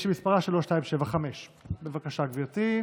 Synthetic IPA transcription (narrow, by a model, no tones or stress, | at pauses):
ʃmispaʁaʃeloʃtaimʃevaχameʃbe̞vakaʃaɡviʁt̪i